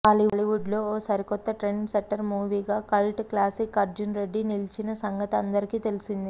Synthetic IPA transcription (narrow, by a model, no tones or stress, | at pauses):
aːliliʋuɖlo̞ːɔːsɐɾikɔt̪ːɐʈɾenimsɐkʈːɐɾmuːʋiːɡaːkɐlʈkːlaːsikːɐɾd͡ʒunɾe̞ɖːinilit͡ʃinɐsɐŋɡɐt̪ɐnd̪ɐɾikiːt̪e̞lisind̪i